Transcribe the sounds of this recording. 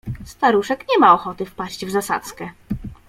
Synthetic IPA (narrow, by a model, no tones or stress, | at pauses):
st̪aɾuʂɛkɲɛmaɔxɔt̪ɘfpaɕt͡ɕvzasa̰t̪skɛ